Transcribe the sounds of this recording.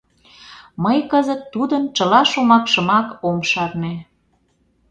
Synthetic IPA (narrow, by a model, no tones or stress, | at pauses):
məjkəzət̪ːud̪ənt͡ʃəlɑʃomɑkʃə̆mɑkomʃɑrne